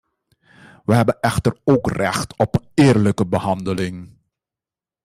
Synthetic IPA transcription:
ʋəɦɛbənʔɛxtəroːkrɛ̰xtɔpɪːrləkəbəhɑndəlɪŋ

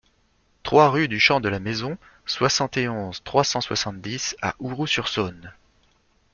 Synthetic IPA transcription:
t̪χwaʁyd̪yʃɑ̃d̪əlamezɔ̃ | swasɑ̃t̪eɔ̃zt̪χwasɑ̃swasɑ̃t̪̚d̪isa̰ʔuʁusyʁsɔn

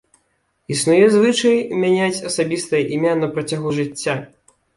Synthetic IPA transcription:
isnujɛzvɨt͡ʂɐjmʲanʲat͡sʲɐsabʲist̪ɐjɐʔimʲanɐpɾɐt͡sʲaɣuʐɨt͡sʲːa

